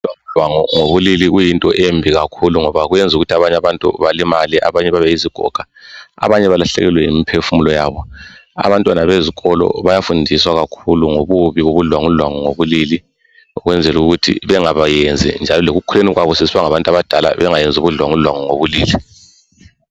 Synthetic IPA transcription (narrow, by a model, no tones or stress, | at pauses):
waŋuwaŋɔŋoβuliliɣujintʼɔʔembʱiɣakʰuluŋɔβaɣujend͡zʱuɣutʰaβaɲaβantʼṵβalimaliʔa̰βaɲɛβaβɛiziɡ̥ʱɔ̰ɡ̥ʱa | a̰βaɲɛβalaɬɛ̰ɣɛlwɛimipʰefumulɔjaβɔa̰βantʼwanaβeziɣɔlɔ̰βajafundʱiswaɣakʰuluŋoβuβiɣoβuɮwaŋuɮwaŋɔŋoβulili | uɣwɛnd͡zʱɛluɣutʰḭβɛŋaβajend͡zʱḭnd͡ʒʱalɔloɣukʰuleniɣwaβɔsesiβaŋaβantʼaβad̥ʱala̰βɛŋajend͡zʱuβuɮwaŋuɮwaŋɔŋoβuliːli